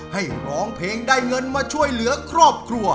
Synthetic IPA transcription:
ha˥˩jɾɔː˨˦ŋpʰeː˧ŋdaː˧˩jŋɤ˧nmaː˧t͡ɕʰu˥˩əjlɯ˩˦ɐkʰɾɔː˥˩p̚kʰɾu˧ɐ

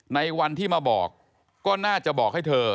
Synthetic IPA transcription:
na˧jwa˧nt̪ʰiː˥˩maː˧bɔ̰ː˨˩kː | ɔː˥˩naː˥˩t͡ɕa˨˩bɔː˨˩k̚ha˥˩jt̪ʰɤː˧

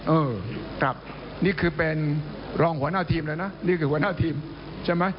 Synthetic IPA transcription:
ʔɤː˧kʰɾa̰˦˩p̚ | niː˥˩kʰɯː˧pe˧n | ɾɔː˧ŋhu˩˦naː˥˩t̪ʰiː˧mlaː˧˩jna˦˥niː˥˩kʰɯː˧hu˩˦ɐ˦naː˥˩t̪ʰiː˧m | t͡ɕʰa˥˩jma˦˥j

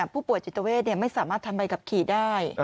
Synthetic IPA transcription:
a˨˩pʰuː˥˩pu˨˩əjt͡ɕi˨˩t̪ːa˧weː˥˩t̪̚ni˥˩ɐma˥˩jsaː˨˩˦maː˥˩t̪ʰːa˧mpa˧jka˨˩p̚kʰiː˨˩daː˥˩j

